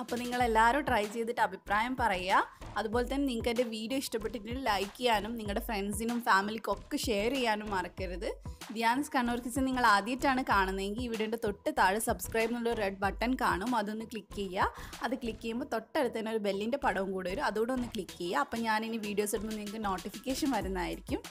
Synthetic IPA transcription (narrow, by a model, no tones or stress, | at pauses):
ɐpːo̞ːniŋːɐɭe̞lːaːɾumʈrɐjt͡ɕe̞jðiʈːɨɐbʱipraːjɐmpɐrɐjːaɐðubo̞ːlet̪ːɐnːeniŋːkːendeʋiːɖijo̞ːiʂʈɐpːeʈːitːnilɐjkːijaːnumniŋːɐɭɽe̞freɳsinumfaːmilikʲːo̞kːeʂe̞ːɾijaːnumːɐrɐkːɐɾɐðɨd̪jaːnɐskɐɳːuːrkit͡ɕːɐniŋːɐɭaːd̪jɐtːaːɳɨkaːɳunːɐeŋɡiliʋiɽeuɳɖet̪o̞ʈːɨt̪aːɻɨsɐbskrɐjbnuɭːoɾreɖ̚bɐʈːɐnkaːɳumɐðo̞nːɨkɭikːejːaɐðɨkɭikːɐjumboːt̪o̞ʈːɐɾut̪ːaːneo̞ɾube̞lːinde̞pɐɽɐʋumkuːɽeɐɾuɐðuɣoɽeo̞nːɨkɭikːejːaɐpːoɭɲaːniniʋiːɖijo̞ːsiɽunumniŋɐkːɨno̞ːʈːifikʲːeːʂɐnʋɐɾunːɐðaːjiɾikʲːum